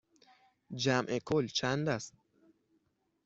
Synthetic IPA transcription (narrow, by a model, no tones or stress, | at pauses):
d͡ʒæmʔekʰolt͡ʃʰænd̪æst̪̚